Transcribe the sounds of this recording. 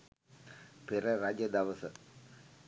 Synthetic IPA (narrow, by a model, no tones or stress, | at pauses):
pɪɾɐɾaːd͡ʒɐd̪ɐʋɐsɐ